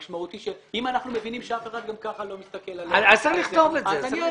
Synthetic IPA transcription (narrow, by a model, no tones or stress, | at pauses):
ʃmaut̪iʃeimanaχnume̞vinimʃeafeχad̪̚ɡamkaχalo̞mist̪akelalaaliχtt̪o̞vetazani